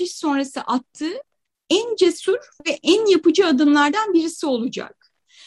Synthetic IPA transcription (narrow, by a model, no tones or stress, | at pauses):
iʃso̞nɾasɯ̰ʔat̪ʰːɯː | ænd͡ʒesuɾvɛʔænjapɯd͡ʒɯad̪ɯmlˠaɾd̪anbiɾisio̞lˠud͡ʒa̰k̚